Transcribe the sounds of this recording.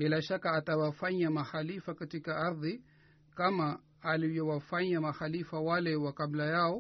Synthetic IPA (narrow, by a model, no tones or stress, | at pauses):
bilaʃakaːtawafaɲamaxalifakatikaaɾði | kamaː | livjɔwafaɲamaxalifawalɛwakablajaɔ